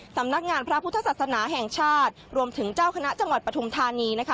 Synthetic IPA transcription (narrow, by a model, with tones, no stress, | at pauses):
sa˩˦mna˦˥k̚ŋaː˧npʰɾa˦˥pʰu˦˥t̪ʰːa˧sa˨˩snaː˩˦ɦɛː˨˩ŋt͡ɕʰaː˥˩t̪̚ɾu˧əmt̪ʰɯ˩˦ŋt͡ɕaː˥˩wkʰa˧na˦˥t͡ɕa˧ŋwa˨˩t̪̚pɾa˧tʰu˧mt̪ʰaː˧niː˧na˦˥kʰa˦˥